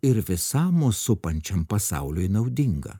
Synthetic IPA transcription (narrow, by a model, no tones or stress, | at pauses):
ɪɾʋʲɪsɑːmosʊpɐnʲt͡ʃʲɛmpɐsaʊlʲʊjnɐʊd̪ʲɪŋɡɐ̰